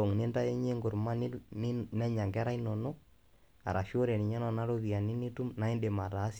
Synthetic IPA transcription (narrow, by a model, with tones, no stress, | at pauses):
o˨ŋne˦nda˦ɛ˦ɲe˦ŋɡʊ˨ɾma˦n | nɛ˦ɲa˨ŋɡɛ˦ɾa˦inɔ˨nɔ | a̰˨ɾʔa˨ʃo˦ɾɛ˨ni˨ɲa˦nɔna˦loβi˨a˨ni˦ni˦tu˦mna˦i˦nde˨ma˨ɾaː˦s